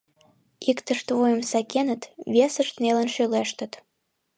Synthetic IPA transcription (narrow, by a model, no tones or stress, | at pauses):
ikt̪əʃt̪vojəmsɑkenət̪βʲesəʃt̪nelə̆nʃøleʃt̪ə̆t̪